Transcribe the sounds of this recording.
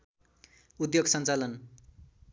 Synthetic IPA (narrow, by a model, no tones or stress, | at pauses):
ud̪joɡsʌnt͡salʌn